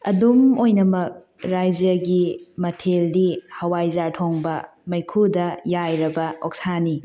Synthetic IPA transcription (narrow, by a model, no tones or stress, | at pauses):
ɐdumojnɐmɐk̚ | ɾajd͡ʒɐɡimɐtʰeldihɐwajzaɾtʰoŋbɐ | mɐjkʰudɐjajɾɐbɐok̚sani